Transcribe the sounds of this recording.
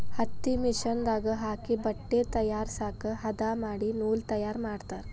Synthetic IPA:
hɐt̪ːimiʃɐnd̪aːɡɐɦaːkibɐʈːeːt̪ɐjaːɾsaːkɐɦɐd̪aːmaːɽinuːlt̪ɐjaːɾmaːɽt̪aːɾ

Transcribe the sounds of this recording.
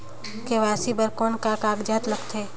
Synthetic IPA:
keʋaːsibəɾkoːnkakaːɡd͡ʒaːt̪lɐɡt̪ʰeː

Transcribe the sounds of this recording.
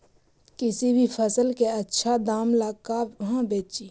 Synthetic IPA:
kɪsibʱipʰəsəlkeətːʃʰad̪aːmlaːɡkaɦãbeːt͡ʃiː

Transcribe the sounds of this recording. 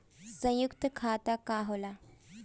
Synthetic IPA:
sə̃jukt̪əkʰat̪akaɦola

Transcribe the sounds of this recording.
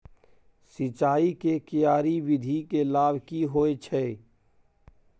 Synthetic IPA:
sɪt͡ʃaːikekɪjaːɾiʋɪd̪ʱikelaːbʱkiɦoːet͡ʃʰɛ

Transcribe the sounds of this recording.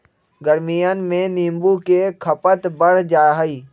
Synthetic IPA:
ɡəɾmijənmẽnĩːmbukekʰəpət̪bəɽ̤d͡ʒaːɦiː

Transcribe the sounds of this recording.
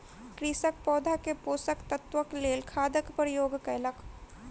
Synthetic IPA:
kɾisək̚pɔːd̪ʱakepoːsəkt̪ət̪wəkleːlkʰaːd̪əkpəɾjoːɡkɛlək

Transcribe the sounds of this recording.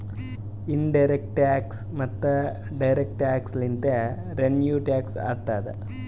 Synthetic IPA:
inɖɐjɾek̚ʈaːks | mɐt̪ːɐ | ɖɐjɾek̚ʈaːkslint̪e | ɾenjuːʈaːksa̰ːt̪ːaːd̪ḛ

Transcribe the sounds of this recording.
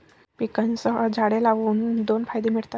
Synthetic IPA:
pikansəɦəd͡zʱaɽelaʋuːnd̪onfajd̪em̤iɽt̪at̪

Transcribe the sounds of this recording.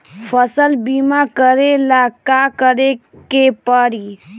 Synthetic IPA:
pʰəsəlbimakəɾelakakəɾekepəɾi

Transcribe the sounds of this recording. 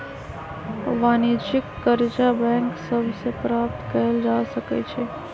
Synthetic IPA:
ʋaːnit͡ʃɪkːəɾd͡ʒabɛ̃ːŋksəbʱsepɾaːp̚t̪kəəld͡ʒaːsəkḛt͡ʃʰe

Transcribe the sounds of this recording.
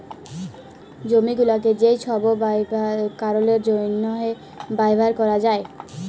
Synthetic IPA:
d͡ʑomiɡulaked͡ʑejʃʰɔboakaɾoleɾd͡ʑojnːɔɦe | bajbʱaɾkɔɾad͡ʑae

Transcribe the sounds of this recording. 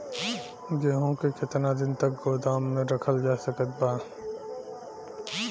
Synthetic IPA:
ɡeːɦõkekɪt̪nad̪ɪnt̪ɐk̚ɡoːd̪aːmːẽɾɐkʰəld͡ʒaːsəkət̪̚baː

